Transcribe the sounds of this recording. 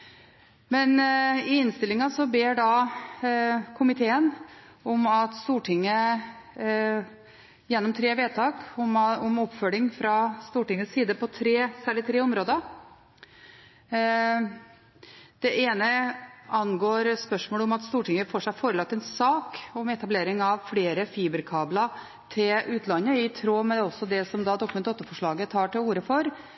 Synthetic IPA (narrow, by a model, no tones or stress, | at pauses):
mɛnɪɪnst̪ɪlɪŋɑsɔbeːɖɑ | kʰʊmɪt̪ʰeːən | ɔmɑt̪st̪uːʈʰɪŋːə | jɛnːɔmt̪ʰɾeːʋeːt̪ʰɑːkɔɔmɔpːfœlɪŋfɾɑst̪uːʈɪŋːəsːiːd̪əpʰɔt̪ʰɾeːsæːɭɪt̪ʰɾeːɔmɾoːd̪ə | d̪̥ɛʔeːnəʔɑnɡoːɾspœʂmoːləʊmɑt̪st̪uːʈɪŋːəfoːʂæɪfoːɾəlɑk̚t̪ːɛnsɑːkɔmɛt̪ɑbleːɾɪŋɑʋfleːɾəfiːbəɾkʰɑːblɑ | t̪ʰɪlʉːt̪ʰlɑnːəɪt̪ʰɾoːmɛɔsːɔd̪ɛsɔmd̪ɑd̪ɔkmɛnɔt̪ːəfɔʂɭɑːɡət̪ʰɑːʈɪluːɾəfɔɾ